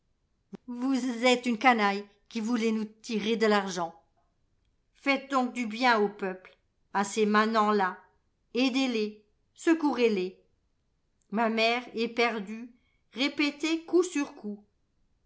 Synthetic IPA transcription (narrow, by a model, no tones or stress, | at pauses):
vuzɛt̪ynkanaj | kʲivulɛnut̪iʁed̪əlaʁʒɑ̃ | fɛt̪̚d̪ɔ̃k̚d̪ybjɛ̃opœpl | asemɛ̃nɑ̃la | ed̪ele | səkuʁele | mamɛʁɛpɛʁd̪y | ʁepet̪ekusyʁkʰu